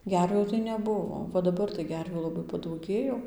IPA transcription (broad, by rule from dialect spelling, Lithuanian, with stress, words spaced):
ˈɡʲɛrʲʋʲuː tɐɪ nʲɛˈbʊʋoː ʋɐ dɐˈbɐr tɐɪ ˈɡʲɛrʲʋʲuː lˠɐˈbɐɪ pɐdɐʊˈɡʲeːjoː